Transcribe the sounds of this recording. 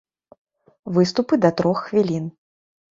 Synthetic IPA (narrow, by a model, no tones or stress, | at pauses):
vɨst̪upɨd̪ɐt̪ɾɔxxvʲilʲin